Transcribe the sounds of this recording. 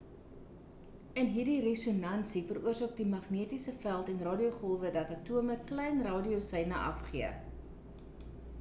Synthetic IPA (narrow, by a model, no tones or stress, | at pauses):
ənɦirdiresonɐnsifəruərsɑːk̚dimɐχniətisəfælˠtɛnrɑːdioχɔlˠvədɐtɐtuəməklɛjnrɑːdiosɛjnəʔɐ̰fχiə